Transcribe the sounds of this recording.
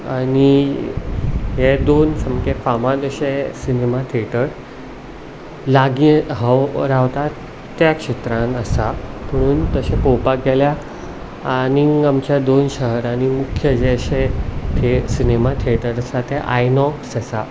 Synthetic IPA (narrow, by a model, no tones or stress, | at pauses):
ani | ɦed̪onsəmkekamãd̪əɕesinemat̪ʰeʈəɾ | laɡiɦəwɾaʋt̪aː | jakɕet̪ɾãnəsam̤əɽ̃uːnt̪əsẽpowpaɡʱelja | aniŋɡɡamt͡ɕjad̪onɕəɦəɾanimukʰjəd͡ʑeɕet̪ʰesinemat̪ʰeʈəɾəsat̪eʔajnɔksəsa